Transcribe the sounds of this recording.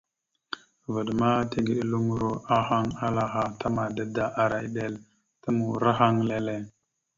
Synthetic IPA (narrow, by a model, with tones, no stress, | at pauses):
və˨ɗma˦te˦ɡi˨ɗlu˦ŋu˦ɾo˦a˦xa˦ŋa˦la˨ɦa˦ta˦ma˨da˦da˦ʔa˨ɾa˨i˦ɗe˦l | ta˦mu˨ɾa˦ɦa˦ŋle˦le˦